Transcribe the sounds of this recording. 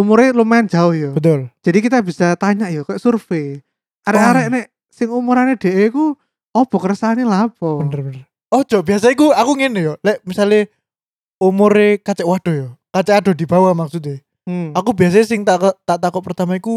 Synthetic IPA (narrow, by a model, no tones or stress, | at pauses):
umʊɾelumaɪnd͡ʒ̥aʊhjɔb̥ət̪ʊld͡ʒ̥adikit̪abisat̪aɲaʔjɔkajaʔsurfe | aɾɛaɾɛʔne | sɪŋumʊɾaned̥e̤ʔeiku | ɔb̥ɔ̤kəɾəsanilapɔbənərbənərr | ɔhd͡ʒ̥ɔb̥ias̬aikuakuŋɛnejɔlɛʔmisale | umʊɾekat͡ʃɛʔwad̥ɔ̤jɔkat͡ʃɛkaɖɔ̤d̪i̤b̥awamak̚sut̪e | akubias̬aɲasɪŋt̪akt̪aʔt̪akɔt̪̚pərt̪amaiku